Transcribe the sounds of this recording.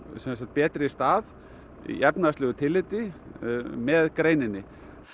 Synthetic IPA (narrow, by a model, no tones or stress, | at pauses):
sɛnsant̪̚pɛːt̪ɾɪst̪aːð | ḭʔɛpnast̪lɛːɣʏt̪ʰɪlːɪːt̪ɪ | mɛðkɾeːjnɪnːɪ